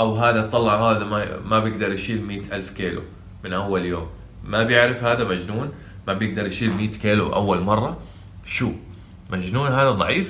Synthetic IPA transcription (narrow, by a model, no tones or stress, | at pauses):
ʔawɦaːd̪at̪ˤɑlːɑʕhaːd̪amamabjɪɡd̪ɑɾˤjʃiːlmiːt̪ʔalfkiːlṵ | mɪnʔawːaljoːmː | abjɪʕɾɪfhaːd̪amad͡ʒnuːn | mabjɪɡ̚d̪ɑɾˤjʃiːlmiːt̪kiːlṵʔa̰wːalmɑrˤːɑ | ʃuː | mad͡ʒnuːnɦaːd̪ad̪ˤɑʕiːf